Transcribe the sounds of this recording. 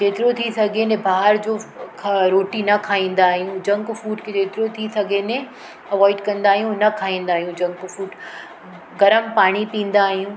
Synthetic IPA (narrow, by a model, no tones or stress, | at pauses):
d͡ʑeːt̪ɪɾot̪ʰisɐɡʱenẽbaːɦəɾd͡ʑoːkʰɾoːʈinɐkʰaːĩːn̆d̪aːɦijũd͡ʑɐ̃ŋkfuːʈked͡ʑeːt̪ɪɾot̪ʰisɐɡʱenẽ | ɐʋɔːɪɖkɐ̃nd̪aːɦijũnɐkʰaːĩːn̆d̪aːɦijũd͡ʑɐ̃ŋkfuːɖ | ɡɐɾəmpaːɽ̃ipĩːn̆d̪aːɦijũː